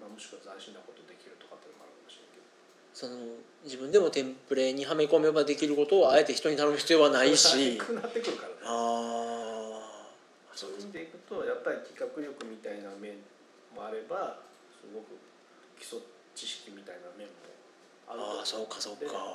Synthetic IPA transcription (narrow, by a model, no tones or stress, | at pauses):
mamo̞ɕi̥kɯβazaɕĩnːako̞t̪o̞d̪e̞kʲiɾɯ̟t̪o̞kat̪ːenomaɾɯkamo̞ɕiɾẽŋked̪o | so̞no̞ | d͡ʑibɯ̟̃nd̪e̞mo̞t̪ẽ̞mpɯ̟ɾe̞ːɲ̟iɦame̞ko̞mobad̪e̞kʲiɾɯ̟ko̞t̪o̞ae̞t̪e̞çi̥t̪o̞ɲ̟it̪ano̞mɯɕi̥t͡sɨjo̞βanaiɕiɯnat̪ːekɯ̟ɾɯ̟kaɾanaː | sot̪eikɯ̟t̪o̞japːaɾʲikʲi̥kakɯ̟ɾʲo̞kɯ̟mʲit̪ainamẽ̞ɴ | mo̞aɾe̞ba | sɨɡo̞kɯ̟ | kʲi̥so̞ | t͡ɕiɕi̥kʲimʲit̪ainamẽ̞mːo̰ | a̰ɾɯaso̞ːkːaso̞ːk̪kːa